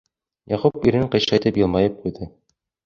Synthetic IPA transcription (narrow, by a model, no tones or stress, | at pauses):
jæqupiɾɘɴqɤ̆jʃɑjt̪ɘpjɤ̆lˠmɑjɤp̚qujd̪ɤ